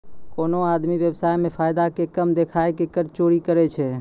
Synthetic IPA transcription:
koːnoaːd̪miʋjəbsaːjmẽpʰaːjd̪akekəmd̪ekʰaːekekəɾt͡ʃoːɾikəɾɛt͡ʃʰɛ

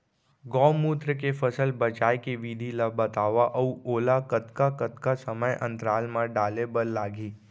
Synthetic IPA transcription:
ɡɔːmuːt̪ɾəkefʰəsəlbɐt͡ʃaːjkiʋiːd̪ʱilabɐt̪aːʋaʔɐuoːlakət̪kakət̪kasəməjʔə̰̃nt̪ɾaːlmãɖaːlebəlːaːɡiː

